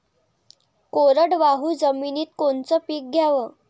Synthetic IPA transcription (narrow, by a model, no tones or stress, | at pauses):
koɾəɽʋaɦuːd͡zəminiːt̪̚kont͡səpiːk̚ɡʱjaʋəː